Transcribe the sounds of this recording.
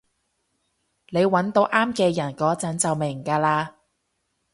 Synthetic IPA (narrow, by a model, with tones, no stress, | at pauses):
ne˨˧jwɐ˨˥nt̪o˨˥wʔaː˥mkɛː˧jɐ˨˩nkɔː˨˥t͡sɐ˨˥nt͡sɐ˨wmɪ˨˩ŋkaː˧laː˧